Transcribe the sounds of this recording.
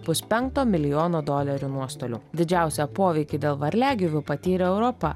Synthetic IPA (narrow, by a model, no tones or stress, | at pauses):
pʊspʲɛŋkt̪oːmʲɪlʲɪjoːnoːd̪oːlʲɛɾʲuːnuɔst̪oːlʲṵːd̪ʲɪd͡ʒʲæˑʊsʲɛpoːʋʲɛɪkʲid̪ʲeːlˠʋɐɾʲlʲæːɡʲɪʋʲʊpɐt̪ʲiːɾʲɛɛʊɾɔpɐ̰